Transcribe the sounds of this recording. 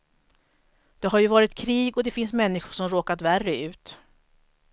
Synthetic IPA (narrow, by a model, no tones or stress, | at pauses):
d̪̥ɛɦaɾjɵvɑːɾɪt̪kʰɾiːɡɔd̪ɛfɪnsmɛnːɪɧʊʂɔmɾoːkat̪værːəʉ̟ːt̪